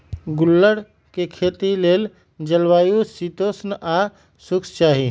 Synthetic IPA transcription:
ɡʊlːəɽ | kekʰeːt̪ileːl | d͡ʒəlwaːjusit̪oːsnʔa | sʊkst͡ʃaːɦi

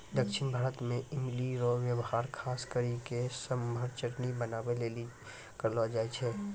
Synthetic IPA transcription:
d̪əkʃɪnbʱaːɾət̪mẽɪmliɾɔwjəwɦaːɾkʰaːskəɾikesəməɾt͡ʃəɾnibənaːweleːli | kəɾlad͡ʒaːet͡ʃʰɛː

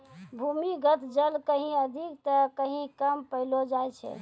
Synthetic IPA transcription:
bʱumiɡət̪ʰd͡ʒəlkəɦĩəd̪ʱikt̪əkəɦĩkəmpəɪlod͡ʒajt͡ʃʰɛ̰

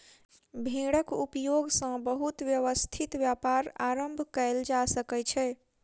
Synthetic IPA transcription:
bʱĩɽəkupjoɡsə̃bəɦut̪ʋjəʋəst̪ʰit̪ʋjapaɾaɾəmbʱkəeld͡ʒasəkɛt͡ʃʰɛ

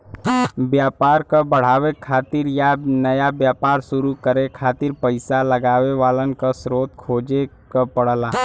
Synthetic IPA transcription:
bjaːpaːɾkabəɽ̤aːwekʰaːt̪ɪɾjanəjabjaːpaːɾsʊɾukəɾekʰaːt̪ɪɾpəɪsaləɡaːʋeʋaːlənkasɾoːt̪̚kʰoːd͡ʒe | kapəɽ̤laː

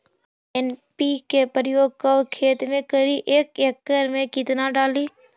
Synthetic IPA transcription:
enpikepəɾjoːɡ̚kəwkʰeːt̪mẽkəɾiʔeːkekːəɾmẽkɪt̪naɖaːliː

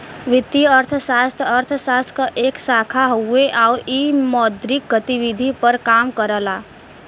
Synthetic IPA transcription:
ʋɪt̪iəɾt̪ʰʃaːst̪ʰəɾt̪ʰəʃaːst̪ʰkaʔeːksaːkʰaɦoeʔaːɾiːmɔːd̪ɾɪk̚ɡət̪iʋɪd̪ʱipəɾkaːmkəɾəlaː

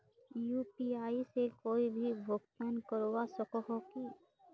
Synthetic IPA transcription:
juːpiaːisekoːibʱibʱoɡt̪ankɔɾwasɔkɔɦɔki

